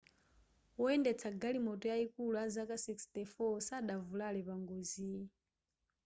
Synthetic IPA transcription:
wɔɛndɛt͡sʰaɡalimɔtɔjaikulazakasikstɛfɔsaɗavulalɛβaŋɡozi

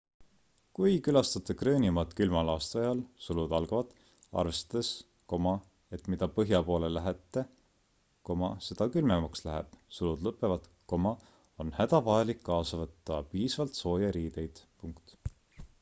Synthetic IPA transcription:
kujkylɑst̪ɑt̪ːˑekrøːnʲimɑd̪̥kylmɑlɑːst̪ɑɑjɑlsulud̪̥ɑlɡ̥ɑvɑd̪̥ | ɑ̰rvest̪ɑ̥d̪̥es | ko̞mɑ | e̞t̪mid̪ɑpɤɦjɑpo̞ːlelæɦet̪ːˑe̞ | ko̞mɑse̞d̪̥ɑkylmemɑkslæɦæ̰b̥sulud̪lɤpːˑe̞vɑd̪̥ko̞mɑ | o̞nhæd̪̥ɑvɑɑlikːɑːsɑvɤt̪ˑːɑpiːsvɑlt̪so̞ːjɑɾiːd̪e̞jd̪̥puŋkt̪

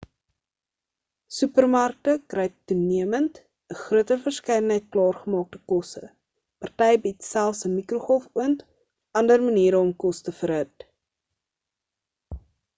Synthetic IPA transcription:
sypərmɐrk̚təkrɛjtːuniəmənt | əχruətərfərskɛjdənɦəjt̚klɑːrχəmɑːk̚təkɔsə̰ | pɐrtɛjbitsælˠfsəmikruχɔlfuənt | ʔɐndərməniːɾəɔmkɔstəfərɦət

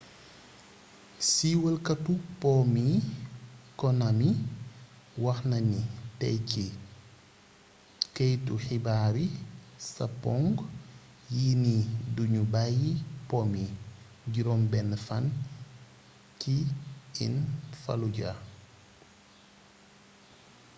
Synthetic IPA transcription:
siwəlkɐtupɔmi | kɔnami | wɐxnɐnitɛ̰jci | kejtuxibaɾisɐ̰pɔŋɡ | jiːniduɲubajipɔmi | ɟiɾɔmbɛnːəfɐn | ciḭnfɐ̰luɟa̰

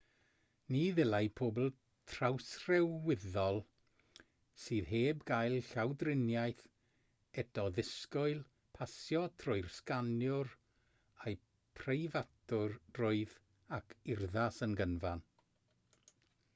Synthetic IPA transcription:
niːðɪlˠajpʰoːbl̩ˠ | tʰrawsrɛwːɪðɔlˠ | siːðɦeːbɡajlˠɬawdrɪnjajθ | ɛdɔðɪskʊɨlˠ | pʰasjɔtʰrʊɨrskanjʊr | aj | pʰrejvatʊrd̥rʊɨð | akʰɪrðasənɡənvan

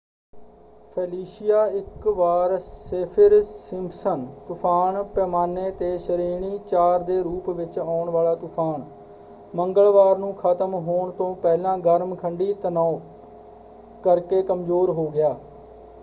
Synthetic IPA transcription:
pʰɛːliːsɪjaːɪkʋaːɾsepʰəɾsɪmpsənt̪ʊpʰaːɳpɛːmaːneːt̪eːʃəɾiːɳiːt͡ʃaːɾd̪eːɾuːpʋɪt͡ʃaːʊɳʋaːlaːt̪ʊpʰaːn | məŋɡəɭʋaːɾnũːkʰət̪əmɦoːɳt̪õːpɛːlãːɡəɾmkʰəɳɖiːt̪ənaː | kəɾkeːkəmzoːɾɦoːɡɪjaː

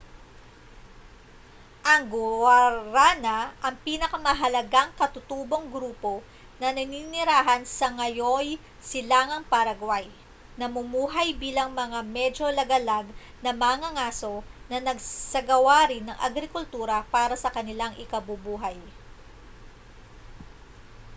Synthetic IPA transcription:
ʔɐŋɡʊwaɾanɐʔɐŋpiːnɐkɐmɐɦɐlɐɡaŋkɐt̪ʊt̪uːbo̞ŋɡɾuːpo̞ | nɐnɐninɪɾaːɦɐnsɐŋɐjoj | sɪlaːŋɐŋpɐɾɐɡwaj | nɐmʊmuːɦɐjbiːlɐŋmɐŋamɛd͡ʒo̞lɐɡɐlaɡ̚ | nɐmaŋɐŋaːso̞nɐnɐɡsɐɡɐwaɾɪnːɐŋʔɐ̰ɡɾɪkʊlt̪uːɾɐpaːɾɐsɐkɐnɪlaŋʔɪkɐbʊbuːɦɐj

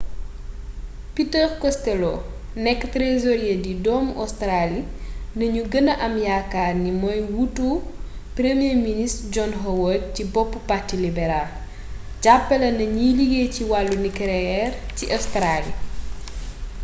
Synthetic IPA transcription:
pitəɾkɔstɛlɔ | nɛkːtɾezɔɾijedidɔːmɔstɾali | nɐɲuɡənɐʔɐmjakːarnimɔjwutːu | pɾemijeministd͡ʒɔnɦɔwɔd̚cibɔpːupatːilibɛɾal | ɟapːɐlɐnɐɲiliɡeciwalːunikɾɛɛrciʔɐstɾali

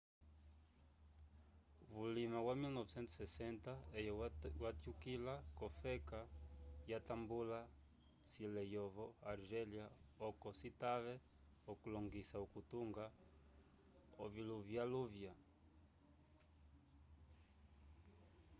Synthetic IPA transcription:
βulimawamilnɔvsɛnt̪u̥sɛsɛntaejwat̪jukilakɔfɛkajatambula | silɛjɔvɔaɾʒɛljaɔkɔsitaβɛ | ɔkulɔŋɡisaokutuŋɡa | oviluvjaluvja

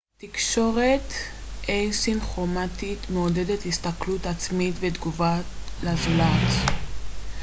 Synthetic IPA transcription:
tikʃo̞ʁet | ʔejsinχomatit̪meodedethist̪aklutat͡smitved̪ɡuvalazlat

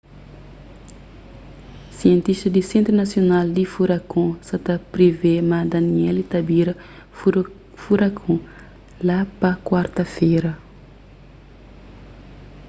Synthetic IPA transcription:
siẽnt̪iʃt̪ɐd̪isẽnt̪ɾunɐsjonald̪ifuɾɐkõsɐt̪ɐpɾivemad̪ɐniɛlit̪ɐbiɾɐ | fuɾɐkʰõ | lapɐkwaɾt̪ɐfeɾɐ

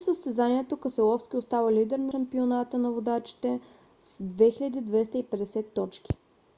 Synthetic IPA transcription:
səst̪ɛzaniɛt̪okəsɛlˠɔfskʲiost̪avəlid̪ɛɾnɐʃɐmpionat̪ənɐvod̪at͡ʃi̥t̪ɛ | sd̪vɛxiʎʲəd̪iːd̪vɛst̪əipɛd̪ɛsɛt̪ːɔt͡ʃkʲi̥

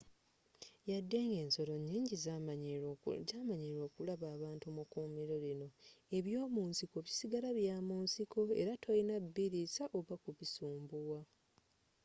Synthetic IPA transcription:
jadːe̞ŋɡe̞ːnso̞lo̞ɲːiːɲɟiza | ɟamaɲiɾo̞ːkulaβaːβaːntumukuːmiɾolino̞e̞βjo̞ːmuːnsiko̞βisiɡalaβjaːmuːnsiko̞e̞̰ɾatʰojinabːiɾisaʔo̞βakuβisuːmbuwa

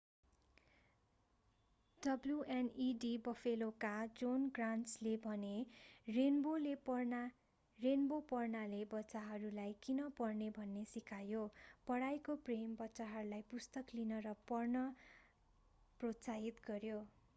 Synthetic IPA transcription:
ɖʌbljuʔeniɖibʌfʰelokad͡zonɡranslebʱʌnerenbole | renbopʌrnalebʌtsaɦʌɾulajkinʌpʌrnebʱʌnːesikʰajopʌɽajkoprembʌtːsaɦʌɾulajpust̪ʌklinʌɾʌpʌrnʌ | prot̪saɦit̪ɡʌɾjo

